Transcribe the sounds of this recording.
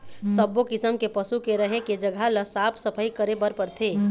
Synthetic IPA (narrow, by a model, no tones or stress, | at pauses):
səbːokɪsəmkepəsukeɾəɦeked͡ʒəɡʱaləsaːpʰsəpʰəikəɾebəɾpəɾt̪ʰeː